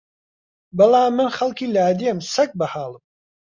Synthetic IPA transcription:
bɐlˠaːmːɨnχɐlˠkiːlaːd̪iɐmsɐk̚bɐhaːlˠəm

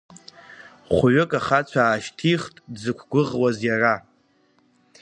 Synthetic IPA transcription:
χʷʊɥʏkʼaχat͡ɕʷʰaːʃtʰiχtʼdzɨkʷʰɡʷʊʁwazjara

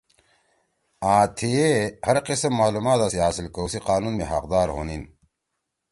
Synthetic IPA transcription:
aːt̪ʰiehɐɾqisɐmːaːlumaːt̪asiɦaːsilkəwsiqaːnunmeɦɐ̰qd̪aːɾɦo̰ːnin

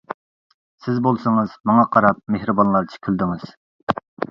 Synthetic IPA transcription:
sɪzbolˠsɨŋɨzmɑŋɑqʰɑɾɑp̚mehɾɨbɑnlˠɑɾt͡ʃʰe̥kʲʰyld̪ɪŋɨz̥

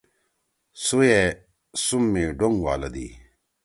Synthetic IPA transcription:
suje | sumːeɖoŋɡwa̰ːlɐd̪ḭ

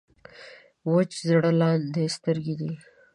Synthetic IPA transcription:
wot͡ʃzɽalɑnd̪est̪əɾɡid̪i

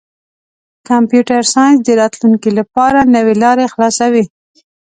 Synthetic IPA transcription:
kampjuʈaɾsɑjnzd̪əɾɑt̪luŋkilapɑɾanəwelɑɾexlɑsawi

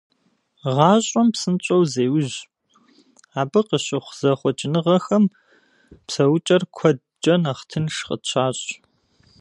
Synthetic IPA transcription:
ʁɑːɕʼɔmpsɨnt͡ʃʼowzeːwʊʑ | aːbɨqəɕɪχʷz̥ɐχʷɔt͡ʃʼɪnɨʁɐxɐm | psɐwʊt͡ʃʼɐrkʷʰɔd | d͡ʒɐnaχtʰɨnʂqə̰t͡ɕʰaːɕʼ

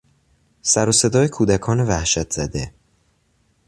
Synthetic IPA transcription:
sæɾose̞d̪ɒːjekʰuːd̪ækʰɒːnevæhʃæt̪ʰz̥æd̪e

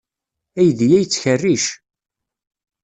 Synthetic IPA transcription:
æjðjæjt͡sːçərːiʃ

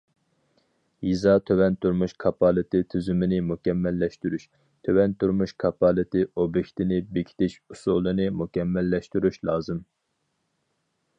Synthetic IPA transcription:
jizɑt̪ʰøwɛnt̪uɾmuʃkʰɑpʰɑːlˠɨt̪ʰɨt̪ʰyzymɪnɪmukʲɛmːɛlːɛʃt̪yɾyʃ | t̪ʰøwɛnt̪uɾmuʃkʰɑpɑlˠɨt̪ɪʔobekʲt̪ʰɪnɪbekʲʰi̥t̪ʰɪʃusulˠːɨnɨmukʲɛmːɛlːɛʃt̪yɾyʃlˠɑːzɨm

